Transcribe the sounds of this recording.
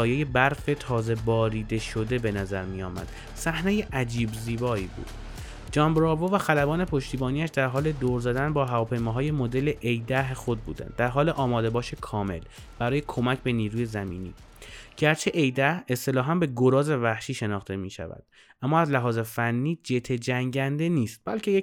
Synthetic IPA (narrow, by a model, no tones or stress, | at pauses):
ɒːjeje̞bæɾfe̞t̪ʰɒːze̞bɒːɾiːd̪e̞ʃo̞d̪e̞be̞næzæɾmijɒ̰ːmæ̰d̪̥ | sæhnejeʔæd͡ʒiːbziːbɒːiːbṵːd̪̥ | d͡ʒɒːmbɾɒːvovæxælæbɒːne̞pʰo̞ʃt̪iːbɒːniːæʃd̪æɾɦɒːle̞d̪oːɾzæd̪ænbɒːɦævɒːpʰe̞jmɒːɦɒːjemo̞d̪e̞le̞ʔejd̪æɦexo̞d̪̚bṵːd̪æ̰nd̪d̪ːæɾɦɒːleʔɒːmɒːd̪e̞bɒːʃekʰɒːme̞̰l | b̥æɾɒːje̞kʰo̞mæcʰbe̞niːɾuːje̞zæmḭːnḭː | ɟ̥æɾt͡ʃʰeʔejd̪æhe̞st̪e̞lɒːɦæmbe̞ɡoɾɒːzevæhʃiːʃe̞nɒːxt̪e̞miːʃæ̰væ̰d̪̥̚ | ʔæmːɒːæzlæɦɒːze̞fænːiːd͡ʒe̞t̪ʰe̞d͡ʒæŋɟænd̪e̞niːst̪̚b̥ælcʰe̞je